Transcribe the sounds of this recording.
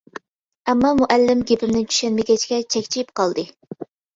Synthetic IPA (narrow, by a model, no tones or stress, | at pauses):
ɛmːɑmuʔælːɪmɡʲepɪmnɪnt͡ʃʰy̥ʃɛnmɪɡʲɛt͡ʃʰi̥ɡʲɛt͡ʃʰɛkʲt͡ʃʰijip̚qʰɑlˠd̪ɨ